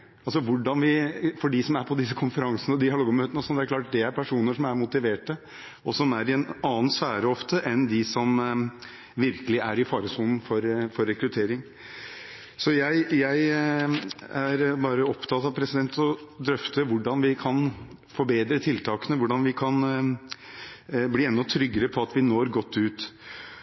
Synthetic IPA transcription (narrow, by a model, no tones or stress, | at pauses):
ɑlsɔʋʊɖɑnʋɪfɔɖɪsɔmæɾpʰɔd̪ɪsːəkʰʊnfəɾɑŋsənəd̪ɪhɑloɡmøːt̪ənəsɔnd̪ɛæɾklɑːʈ̚d̪ɛæɾpʰæʂuːnəʂɔmæɾmʊt̪ɪʋeːʈə | ɔsɔmæɾɪɛnɑːnsʋæːɾəɔft̪əʔɛnd̪ɪsɔm | ʋɪɾkəlɪʔæɾɪfɑːɾəsuːln̩fɔɾfɔɾːɛkɾʉt̪ʰeːɾɪŋ | sɔjæɪjæɪ | æɾbɑːɾəɔpt̪ʰɑt̪ɑʋpʰɾɛsɪd̪ɛnt̪ɔd̪ɾœft̪əʋʊɖɑnʋɪkʰɑn | fɔɾbeːd̪ɾət̪ʰɪlt̪ʰɑːkənəʋʊɖɑnʋɪkʰɑn | bliːɛnːɔt̪ʰɾʏɡːəɾəpʰɔɑt̪ʋɪnoːɾɡɔt̪ʰːʉːt̪